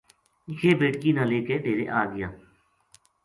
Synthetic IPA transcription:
jeːbeːʈkiːnãːleːkeʈ̪eːɾḛːʔaːɡɪjãː

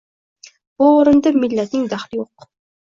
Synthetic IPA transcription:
b̥uoɾɨnd̪amɪlːæt̪nɪŋd̪æχlɪjoq

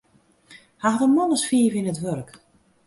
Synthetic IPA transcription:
haxdəmɔnəsfiəvɪnətʋørk

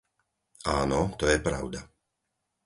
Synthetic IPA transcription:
aːnɔt̪ɔjɛpɾa̰ʊd̪a

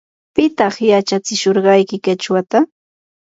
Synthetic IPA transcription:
pɪt̪ɑχjat͡ʃat͡sɪʃoɾɢɑjkɪkat͡ʃwat̪a

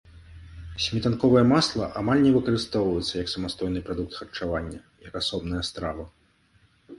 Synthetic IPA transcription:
sʲmʲit̪ankɔvɐjɐmaslˠɐʔamalʲnʲɛvɨkɐɾɨst̪ɔwvɐjɛt̪sːɐjɐksɐmast̪ɔjnɨpɾad̪uk̚t̪xɐrt͡ʂavanʲːɐ | jɐkasɔbn̪ɐjɐst̪ɾavɐ

